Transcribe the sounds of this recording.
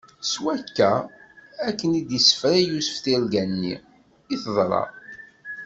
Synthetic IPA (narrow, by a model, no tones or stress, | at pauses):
swækːæ | ækːənid̪isə̥fɾæjusə̥fθilɡænːḭ | iθðˤɾˤɑ̰ˤ